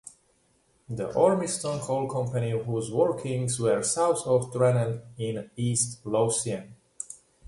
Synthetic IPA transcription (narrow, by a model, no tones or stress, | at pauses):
ðḭʔɔɹmistɔ̃nkʰolˠkʰʌ̃mpənihuzwɔɹkʰɪ̃ŋzwə˞saʊθɔvtɹɛnə̃nɪ̃nistlosiə̃n